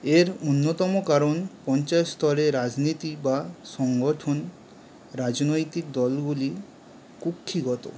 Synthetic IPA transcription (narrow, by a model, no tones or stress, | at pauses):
eɾonːot̪ɔmokaɾonpɔnt͡ɕaet̪st̪ɔɾeɾad͡ʑnit̪ibaʃɔŋɡoʈʰon | ɾad͡ʑnojt̪ik̚d̪ɔlɡuli | kukʰːiɡɔt̪o